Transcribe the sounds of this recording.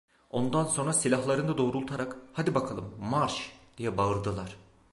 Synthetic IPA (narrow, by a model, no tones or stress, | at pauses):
o̞nd̪anso̞nɾasilʲaɦlˠaɾɯnd̪ad̪o̞ːɾulˠt̪ʰaɾakhad̪ibakʰalˠɯmːaɾʃd̪̥ijɛbaɯɾd̪ɯlˠaɾ̥